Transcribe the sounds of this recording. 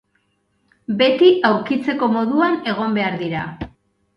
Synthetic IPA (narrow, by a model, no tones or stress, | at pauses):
be̞t̪iawɾkit͡se̞ko̞mo̞ðuane̞ɣ̞o̞mbe̞aɾðiɾa